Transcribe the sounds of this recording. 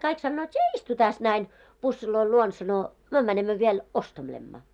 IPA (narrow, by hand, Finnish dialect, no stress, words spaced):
kɑik sɑnːoːt sie istu tæs næin pusːiloil luon sɑno myø mænemːø ʋiel ostelemːɑ